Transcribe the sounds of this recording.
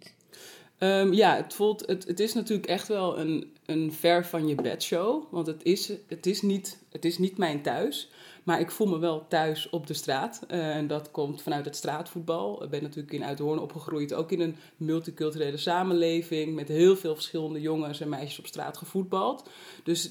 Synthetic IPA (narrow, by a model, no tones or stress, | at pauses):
əmjaətfulˠtətətɪsnatyːrləkɛxtʋɛlˠə̰nənfɛɹfɑnjəbɛ̰tʃowʋɑntətɪsətɪsnit | ətɪsnitmɛjntœɥsmaːɹɪkfulˠməʋɛlˠtœɥsɔp̚dəstraːtɛndɔtkɔmtfɑnœɥtətstraːtfut̚bɑl̰ˠbɛnːatyːləkɪnœ̰ɥtɦʊːɹnɔ̰pχəxrujto̰wkɪnən | mɵlˠtikɵlˠtyrejləsaːmənlejvɪŋmɛtɦɪːlˠvɪːlˠfəɹsχɪləndəjoŋənsɛnmɛjʃəsɔpstra̰ːtχəfut̚bɑlˠt | d̥øs